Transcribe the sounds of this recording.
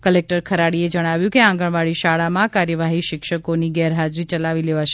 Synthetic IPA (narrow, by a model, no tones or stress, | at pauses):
kəlek̚ʈəɾkʰəɾaɽied͡ʒəɽ̃aʋjũkeãŋɡəɳʋaɭiʃaɭamãkaɾjəʋaɦiʃɪkʃəkoniɡɛɾɦad͡ʒɾit͡ʃəlaʋileʋaʃ